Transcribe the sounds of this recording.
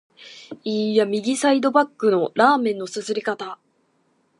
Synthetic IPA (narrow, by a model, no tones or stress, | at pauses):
ijamʲiɡʲisaid̪o̞bakːɯ̟no̞ɾaːmẽnːo̞sɨsɨɾʲikat̪a